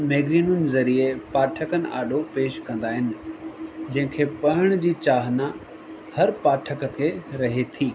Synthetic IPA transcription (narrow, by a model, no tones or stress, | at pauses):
mɛːɡziːnʊnɪzɐɾiepaːʈʰəkənɪ̰̆ʔa̰ːɗopeːʃkɐ̃nd̪aːɦɪnɪ̆ | d͡ʑɐ̃ɦɪ̃kʰeːpɐɦɪɽ̃d͡ʑiːt͡ɕaːɦna | hɐɾpaːʈʰəkəkʰeːɾɐɦet̪ʰiː